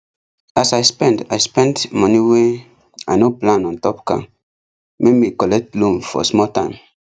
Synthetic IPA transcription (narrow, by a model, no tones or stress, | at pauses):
asajspɛ̃ndajspɛ̃ndmɔniwe | ajnoplãnɔ̃ntɔpka̰ | memikɔlɛk̚tlũmfɔ̰smɔtãɪ̃m